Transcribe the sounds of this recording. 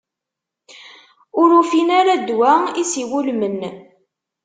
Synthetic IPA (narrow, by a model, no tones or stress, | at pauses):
ʊɾufinaɾad̪wæisiwulmən